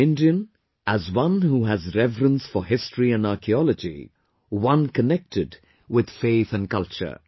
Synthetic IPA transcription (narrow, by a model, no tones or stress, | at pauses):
ɪ̃ndiɨ̃n | ʔæzwʌ̃nhuæzɾɛvɾə̃nsfəɦɪstʰɹiɨ̃naɾkʰiɔləd͡ʒḭ | wʌ̃nkənɛk̚tʰɪd | wɪd̪̥feɪθɨ̃nkʌlˠt͡ʃə̰˞